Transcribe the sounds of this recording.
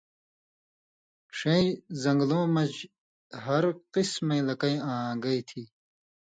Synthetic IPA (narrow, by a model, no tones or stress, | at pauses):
ʂeizɐŋɡlõːmɐd͡ʑ | ɦɐɾqismejlɐkɐjãːɡɐjt̪ʰiː